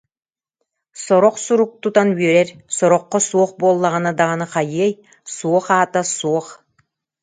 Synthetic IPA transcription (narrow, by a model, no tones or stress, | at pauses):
sɔɾɔqsuɾuk̚t̪ut̪anbyœɾɛɾsɔɾɔqːɔsuɔχboːlˠːaʁanad̪aʁanɯχajiɛj | suɔχaːt̪asuɔχ